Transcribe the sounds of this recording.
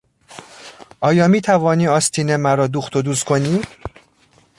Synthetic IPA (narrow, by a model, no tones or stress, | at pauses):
ʔɒːjɒːmiːt̪ʰævɒːniːɒːst̪ʰiːnemæɾɒːd̪uxt̪ʰod̪uːskʰo̞niː